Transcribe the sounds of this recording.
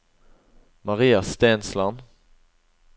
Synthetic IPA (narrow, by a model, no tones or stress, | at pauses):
mɑʁiːɑst̪eːnslɑn